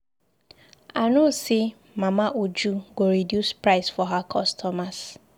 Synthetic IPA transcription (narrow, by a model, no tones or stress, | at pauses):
anosi | mamaʔud͡ʒuɡoɾidjuspɹaɪsfɔɦakʰɔstʰɔmas